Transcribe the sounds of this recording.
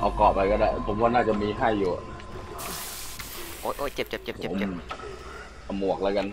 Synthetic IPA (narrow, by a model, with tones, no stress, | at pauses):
ʔa˧˩wkɔː˨˩p̚ːa˧jkɔː˧˩daː˧˥˩jpʰo˨˦mkɔː˥˩naː˥˩t͡ɕa˨˩ʔmiː˧ɦa˥˩jːuː˨˩˨ | ʔoː˧˥˩jʔoː˧˥˩jt͡ɕe˨˩p̚t͡ɕe˨˩p̚t͡ɕe˨˩pʰt͡ɕe˨o˩˦me˩ | a˧˩mu˨˩ək̚laː˧˦jka˧n